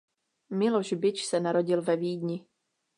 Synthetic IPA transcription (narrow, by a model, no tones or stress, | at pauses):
mɪloʒbɪt͡ʃsɛnaɾo̞ɟɪlvɛviːdɲɪ